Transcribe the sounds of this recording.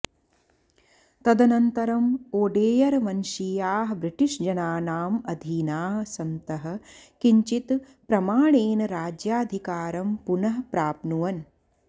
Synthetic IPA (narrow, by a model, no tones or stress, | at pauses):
t̪ɐd̪ɐnɐnt̪ɐɾɐmoːɖeːjɐɾmɐnʃiːjaːɦɐbɾiʈiʂd͡ʒɐnaːnaːmɐd̪ʱiːnaːɦsɐnt̪ɐɦɐ̆kiɲt͡ʃit̪ | pɾɐmaːɳeːnɐɾaːd͡ʒjaːd̪ʱikaːɾɐmpunɐɦɐpɾaːpnuʋɐn